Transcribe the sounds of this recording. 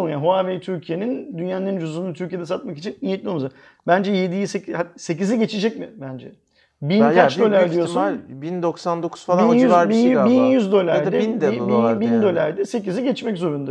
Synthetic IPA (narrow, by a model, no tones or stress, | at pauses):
njaɦoavɛt̪ʰyɾcʰije̞nind̪ynjænlʲeɾind͡ʒʰozunut̪ʰyɾcijd̪ɛsat̪̚makit͡ʃʰinijet̪lʲiolˠmaza | bænd͡ʒɛjed̪ijsecase̞c̬iziɟe̞t͡ʃʰed͡ʒɛcmɪbænd͡ʒɛ̰ | binat͡ʃd̪ø̞lʲæɾd̪ijosubind̪oksand̪okʰu̥zfaijyzabibinjyzd̪ø̞lʲæɾd̪ɛibibind̪ø̞lʲæɾd̪ɛse̞c̬iziɟɛt͡ʃmɛczo̞ɾund̪a